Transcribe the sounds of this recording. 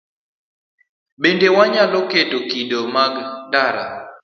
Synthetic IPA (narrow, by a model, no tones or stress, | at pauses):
ɓendɛwaɲalokedokiɗomaɡndaɾa̰